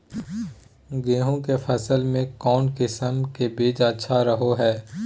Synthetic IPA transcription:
ɡeːɦõkefʰɐsəlmẽkɔːnkɪsəmkebeːd͡ʒətːʃʰaɾəɦoɦɛː

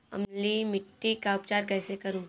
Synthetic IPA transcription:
ɐ̰mlimɪʈːikaʊp̚t͡ʃaːɾkɛːsekɐɾũː

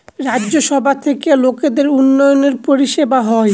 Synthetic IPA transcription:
ɾadːd͡ʑoʃɔbʱat̪ʰekeloked̪eɾunːɔjoneɾpoɾiʃebaɦɔe

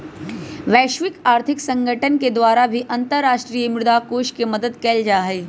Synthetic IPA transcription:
ʋɛːʃʋɪkaːɾt̪ʰɪksə̃ŋɡʱəʈənked̪ʋaːɾabʱiʔɐ̃nt̪əɾːaːʃʈɾiːjəmɾʊd̪akoːʃkeməd̪əd̪keːld͡ʒaːɦeː

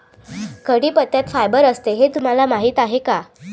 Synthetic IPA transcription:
kəɽiːpət̪jat̪fajbəɾəst̪eɦet̪um̤alamaɦiːt̪aɦeka

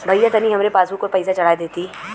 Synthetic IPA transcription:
bʱɐjat̪ɐniɦɐmɾepaːsũkopɐɪsat͡ʃɐɽaːjd̪eːt̪i

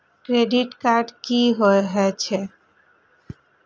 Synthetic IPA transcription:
kɾeɖiʈkaɾɖkiɦɔeɦɔt͡ɕʰe

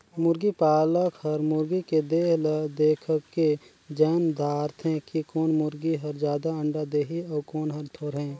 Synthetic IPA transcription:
mʊɾɡipaːləkhəɾmʊɾɡiked̪eːɦləd̪eːkʰəkːe | d͡ʒɛːnd̪ʱaːɾt̪ʰɦɛ̃kikɔːnmʊɾɡiɦəɾd͡ʒjaːd̪aə̃ɳɖad̪eːɦiɔːkɔːnɦəɾt̪ʰoːɾɦɛ̃ː

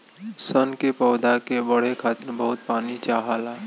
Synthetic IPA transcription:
sənkepɔːd̪akebəɽ̤ekʰaːt̪əɾbəɦʊt̪̚paːnit͡ʃaːɦalaː

